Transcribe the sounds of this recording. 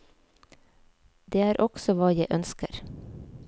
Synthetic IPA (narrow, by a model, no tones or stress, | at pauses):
d̪eːæːɾʔɔɡ̥sɔʋɑːjæɪʔœnskəɾ